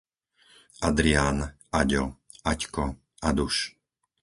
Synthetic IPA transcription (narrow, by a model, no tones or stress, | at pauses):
ad̪ɾiaːn | aɟɔ | ackɔ | ad̪uʃ